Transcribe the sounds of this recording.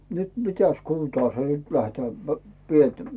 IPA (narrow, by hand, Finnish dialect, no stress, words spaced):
nyt mitæs kuːn̆tɑː se nyt læhtæː p sielt